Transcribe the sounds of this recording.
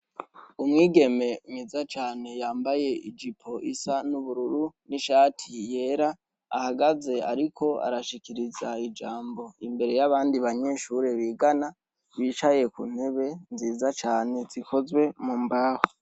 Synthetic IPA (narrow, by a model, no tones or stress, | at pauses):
umŋiːɡe̞me̞mizat͡ʃaːne̞jaːmbaje̞id͡ʒipʰo̞ʔisanuβuɾuɾuniʃaːtʰije̞ɾaː | haɡaze̞a̰ɾikʰo̞a̰ɾaʃikiɾizaid͡ʒaːmbo̞imbe̞ɾe̞jaβaːndiβaɲe̞ːʃuɾe̞βiːɡana | βiːt͡ʃaje̞kun̥he̞βe̞nziːzat͡ʃaːne̞zikʰo̞zwe̞mumbaːho